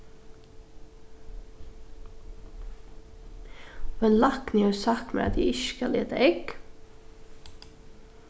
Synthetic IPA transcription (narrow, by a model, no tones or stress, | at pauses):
oenlɑkniːəsɑkmḛːɑ̰t̪̚d̪ḭːɪʃkɑlḛːt̪əʔɛɡ